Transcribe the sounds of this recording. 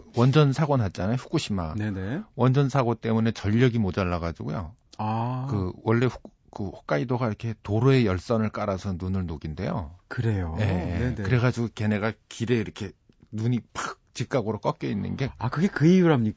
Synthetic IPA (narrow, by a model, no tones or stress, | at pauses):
wʌnd͡ʑʌnsʰaɡonɦat̚t͡ɕ͈anajoɸu̥k͈uɕʰimanenewʌnd͡ʑʌnsʰaɡot͈e̞mune̞t͡ɕʌʎːʌɡimod͡ʑanːaɡad͡ʑiɡujo̰akɯwʌɭːe̞ɸu̥k | kɯɸḁk͈aidoɡaiɾʌkʰe̞toɾoe̞jʌɭs͈ʌnɯɭk͈aɾasʰʌnunɯɭnoɡinde̞̰jo̰kɯɾe̞joje̞kɯɾe̞ɡad͡ʑiɡoke̞ne̞ɡakiɾe̞iɾʌkʰe̞ | nuɲipak̚t͡ɕik͈aɡɯɾok͈ʌk͈jʌinːɯ̰nɡe̞akɯɡekɯijuɾɦamɲik